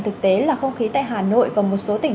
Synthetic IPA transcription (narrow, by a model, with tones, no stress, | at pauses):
t̪ʰɨ˨˩k̚t̪e˨˦laː˨˩xə˧wŋ͡mxi˨˦t̪a̰ː˧˨jɦaː˨˩no̰˧˨jvaː˨˩mo˨˩t̚so˨˦t̪ï˧˩ŋ